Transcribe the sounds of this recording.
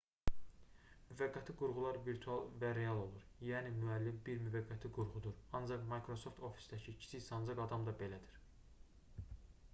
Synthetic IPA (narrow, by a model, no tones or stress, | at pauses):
myvæɡːæt̪ʰiɡuɾʁulˠɑɾviɾt̪ʰuɑlˠvæɾe̞ɑlˠo̞lˠuɾjæːnimyælːimbiɾmyvæɡːæt̪ʰiɡuɾʁud̪uɾɑnd͡ʒɑqmɑjkʰɾo̞so̞ft̪ʰo̞fi̥sd̪æcʰiːcʰi̥sisɑnzɑɡɑd̪ɑmd̪ɑbe̞læd̪iɾ̥